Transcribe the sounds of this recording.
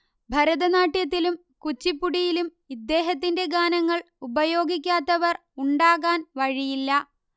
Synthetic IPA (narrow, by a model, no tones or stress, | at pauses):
bʱɐɾɐðɐnaːʈjɐt̪̬ːilum | kut͡ɕːipːuɽijilum | id̪ːe̞ːɦɐt̪̬ːinde̞ɡaːnɐŋːɐɭ | ubɐjo̞ːɡik̬ʲːaːt̪ːɐʋɐr | uɳɖaːɣaːnʋɐɻijilːɐ